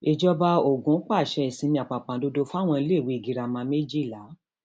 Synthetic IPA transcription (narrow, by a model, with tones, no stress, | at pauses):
e˨d͡ʒɔ˧ba˧o˨ɡũ˨˦k͡pa˦˨ʃɛ˨˧i˨sĩ˨˧nĩ˧˦a˨k͡pa˨k͡pã˨˦do˧do˧fa˦˨w̃ɔ̃˧i˧˦le˦˨wi˨˦i˨ɡi˨˧ɾa˧mã˧˦me˦d͡ʒi˦˨la˨˦